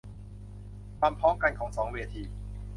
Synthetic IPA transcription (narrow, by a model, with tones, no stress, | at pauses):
kʰwaː˧mpʰɔː˦˥mka˧nkʰɔː˩˦ŋsɔː˩˦ŋweː˧t̪ʰiː˧